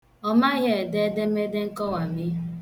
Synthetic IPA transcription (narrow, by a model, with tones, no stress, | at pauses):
ɔ˦ma˦ɣe˦˨e˨de˦de˦me˦de˦ŋ̩˦kɔ˦wa˨mɪ˦